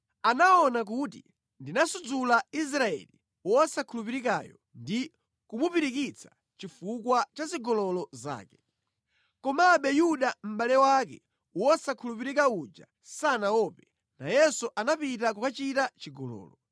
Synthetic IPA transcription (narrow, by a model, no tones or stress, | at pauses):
anaɔnak̬utḭ | ndinasud͡zulais̬ɾaɛ̰li | wasakʰulupiɾikajɔ | ndi | kumupiɾikit͡sʰḁ | t͡ʃifukwat͡ʃaziɡɔlɔlɔza̰ːkɛ̥ | kɔmaɓɛjuɗam̩ɓalɛwak̬ɛ̰ | uasakʰulup̬iɾik̬aud͡ʒa̰ | sanaɔpɛ | na̰jɛsuʔanapit̬akukat͡ʃitat͡ʃiɡɔlɔ̰ːlɔ